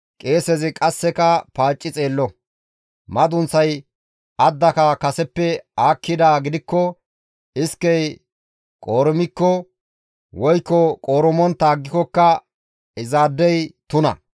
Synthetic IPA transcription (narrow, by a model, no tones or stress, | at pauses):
kʼe̞ːsɛzɪkʼɐsːɛkɐpaːt͡ʃʼːɪt͡sʼeːlːɔ | mɐd̪ʊnsɐj | ɐd̪ːɐkɐkɐsɛpːɛaːkʰːɪd̪aːɡɪd̪ɪkːɔ | ɪskːɛj | kʼo̞ːɾɪmɪkːɔ | wɔjkːɔkʼoːɾɔmɔnt̪ːaːɡːɪkɔkːɐ | ɪzaːd̪ːɛjt̪ʊnɐ̰